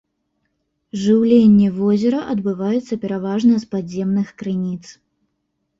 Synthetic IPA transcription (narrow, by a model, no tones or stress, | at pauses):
ʐɨwlʲenʲːɛvɔzʲɛɾɐʔɐd̪bɨvajɛt̪sːɐpʲɛɾavaʐnɐspazʲːemnɨxkɾɨnʲit̪s